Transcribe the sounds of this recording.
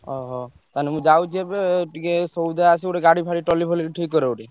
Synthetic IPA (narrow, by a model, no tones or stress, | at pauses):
ɔɦɔ | t̪anemũd͡ʒawt͡ʃʰiebeʈikesowd̪aasioeɡaɽipʰaɽiʈɔlipʰɔliʈʰikːɔɾeuʈi